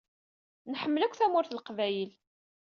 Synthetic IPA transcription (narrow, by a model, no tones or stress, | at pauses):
nħəmːəlækʷːθæmʊɾθlqvæjəl